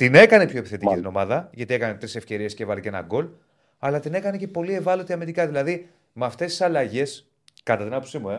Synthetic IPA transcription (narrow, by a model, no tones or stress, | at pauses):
t̪ine̞kɐne̞pçʰo̞epiθe̞t̪icit̪ino̞mɐðɐʝɐt̪ie̞kɐnet̪ɾise̞fce̞ɾie̞sceevɐliceenɐ̰ɡo̞l | ɐlɐt̪ine̞kɐne̞ce̞po̞lie̞vɐlo̞t̪iɐmeɾikɐðilɐði | mɐft̪e̞st̪i̥sɐlɐʝe̞s | kɐt̪ɐt̪inɐpupsimue̞